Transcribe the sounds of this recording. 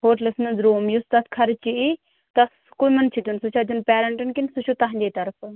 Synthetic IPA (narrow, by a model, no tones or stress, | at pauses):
hoːʈləsnɨnzɾuːmjust̪ɐt̪ʰkʰɐɾt͡ʃii | t̪ɐs | kumɐnt͡ʃʰit̪ʲunsut͡ʃʰat̪ʲunpɛːɾɐɳʈɨnkinsut͡ʃʰut̪ɐɦnd͡ʒet̪ɐɾfɨ